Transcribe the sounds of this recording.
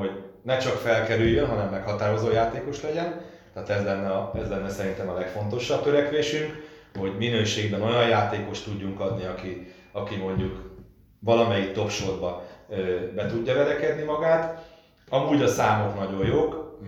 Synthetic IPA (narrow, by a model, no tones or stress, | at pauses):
ho̞ɟnɛt͡ʃɒkfɛlkɛɾyjːønɦɒnɛmːɛkhɒt̪aːɾo̞zoːjaːt̪eːko̞ʃlɛɟɛn | t̪ɛːt̪ɛzlɛnːɛɒɛzlɛnːɛsɛɾint̪ɛmɒlɛkfo̞nt̪o̞ʃɒb̚t̪øɾɛkʋeːʃyŋk | ho̞ɟminøːʃeːɡbɛno̞jɒjjaːt̪eːko̞ʃt̪ːuɟːuŋkɒd̪niɒki | ɒkimo̞ɲɟuk | ʋɒlɒmɛjikt̪o̞pʃo̞rbɒøːbɛt̪uɟːɒvɛɾɛkɛd̪nimɒɡaːt̪ | ɒmuːɟɒsaːmo̞knɒɟo̞jjoːk